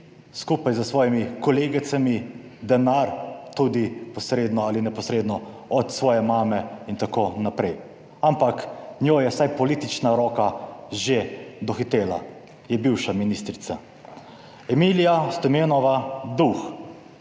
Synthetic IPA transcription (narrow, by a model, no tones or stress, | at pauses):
skuːpajzəsʋɔːjimikɔleːɡit̪sami | d̪ɛnaɾt̪ud̪ipɔsɾeːd̪nɔalinɛpɔsɾeːd̪nɔ | ɔt̪sʋɔːjɛmaːmɛint̪akoːnapɾɛj | ampaknʲjojɛsajpɔliːt̪it͡ʃnaɾɔːkaʒed̪ɔxit̪eːla̰ | jɛbiwʃaminist̪ɾit̪sa | ɛmiːlijast̪ɔmeːnɔʋad̪ux